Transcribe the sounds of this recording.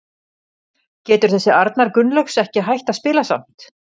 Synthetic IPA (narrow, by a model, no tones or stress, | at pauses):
cɛːt̪ʏɾ̥θɛsːɪaɾt̪naɾkʏnlœksɛhcɪɦajht̪aðspɪːlasa̰m̥t̪